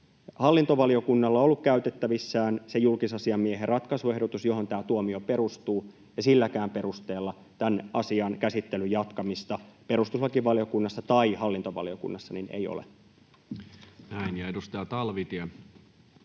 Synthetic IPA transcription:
hɑlːint̪oʋɑlio̞kunːɑlːɑolːukkæyt̪e̞t̪ːæʋisːæːnsejulkisɑsiɑmːieɦerrɑt̪kɑsue̞hdot̪usjo̞ɦo̞nt̪æːt̪uomiope̞ɾust̪uː | jɑsilːækæːmpe̞ɾust̪e̞ːlːɑ | t̪ænʔɑsiɑnkæsit̪ːelyjɑt̪kɑmist̪ɑpe̞ɾust̪uslɑkiʋʋɑlio̞kunːɑsːɑt̪ɑihɑlːint̪oʋɑ̰lio̞kṵnːɑsːɑninḛijo̰lḛ | næinjɑedust̪ɑjɑt̪ɑlʋit̪iɑ

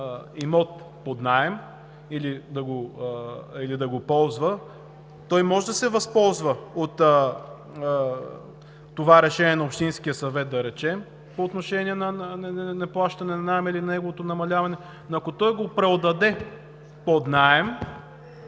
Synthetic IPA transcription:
imɔt̪̚ | pod̪naɛm | ilid̪ɐɡo | ilid̪ɐɡopɔlˠzvə | t̪ɔjmɔʒɛd̪ɐsɛvɐspɔlˠzvəot̪ | ovaɾɛʃɛniɛnɐopʃt̪inskijəsɐvɛt̪̚d̪ɐɾɛt͡ʃɛm | poːt̪noʃɛniɛnɐnnɛnɛplˠaʃt̪ɐnɛnɐnaɛmilinɐnɛɡovot̪onɐmɐlʲavɐnɛ | noɐkot̪ɔjɡopɾɛod̪ɐd̪ɛ | pod̪naɛm

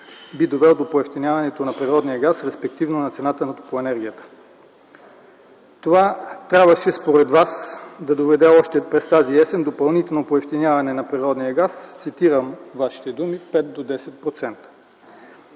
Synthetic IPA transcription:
bid̪ovɛlˠd̪opoɛft̪inʲjavɐnɛt̪onɐpɾiɾɔd̪nijəɡasɾɛspɛkt̪ivnonɐt̪sɛnat̪ənɐt̪opoɛnɛɾɡʲijət̪ə̥ | t̪ovat̪ɾʲabvəʃɛspoɾɛd̪vasd̪ɐd̪ovɛd̪ɛɔʃt̪ɛpɾɛst̪aziɛsɛnd̪opɐlˠnit̪ɛlˠnopoɛft̪injavɐnɛnɐpɾiɾɔd̪nijəɡast̪sit̪iɾəmvaʃi̥t̪ɛd̪umipɛt̪̚d̪od̪ɛsɛt̪̚pɾot̪sɛnt̪ə̥

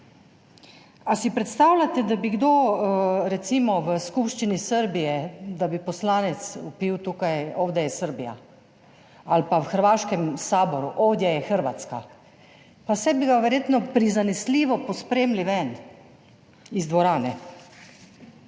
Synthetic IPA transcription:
asipɾɛt̪st̪aːwlʲat̪ɛd̪abiɡd̪o | ɾɛt̪siːmɔʋəskupʃt͡ʃinisəɾbijɛd̪abipɔslaːnɛt̪supiwt̪uːkajoːwd̪ɛjɛsəɾbija̰ | alpawxəɾʋaːʃkɛmsaːbɔɾuʔoːwd̪jajɛxəɾʋa̰t̪ska̰ | pasɛbiɡaʋɛɾjeːt̪nɔpɾizanɛsliːʋɔpɔspɾeːmliʋɛn | izd̪ʋɔɾaːnɛ

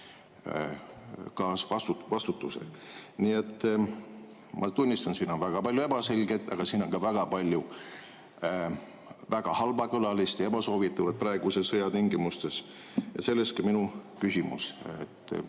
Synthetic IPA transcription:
kɑːsvɑst̪uvɑst̪ut̪ːusḛniːet̪ːˑ | mʔɑt̪unʲːist̪ɑnsiːno̞nvæɡ̥ɑpɑlʲjue̞b̥ɑse̞lʲɡet̪ːˑɑ̰ɡ̥ɑsiːnonkɑvæɡ̥ɑpɑlʲju | væɡ̥ɑhɑlbɑkɤlɑlist̪ɑe̞bɑso̞ːvit̪ːˑɑvɑd̪̥̚prɑeɡ̥usesɤjɑt̪iŋɡimust̪e̞s | jɑ̰se̞lːe̞st̪kɑminukysimṵsḛt̪ːˑ

